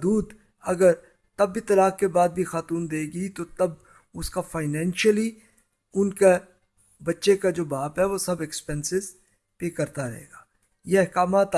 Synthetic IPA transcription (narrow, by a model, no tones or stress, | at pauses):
d̪uːd̪ | ɐɡəɾ | t̪ɐbːit̪ɐlaːkkebaːd̪̚bʱixaːt̪uːnd̪eːɡit̪ot̪ɐb̚ | ʊskafaːɪnɛ̃ːnʃəli | ʊnke | bɐtːʃekad͡ʒoːbaːpɦɛʋosɐbɛkspɛ̃nsɪz | pekɐɾt̪aɾɐɦḛːɡaː | jeɐɦkaːmaːt̪